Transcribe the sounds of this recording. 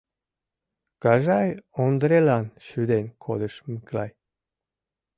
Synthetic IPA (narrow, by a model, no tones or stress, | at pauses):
ɡ̥ɑʒɑjond̪ɾelɑnʃyd̪enkʰod̪əʃmiklɑ̰j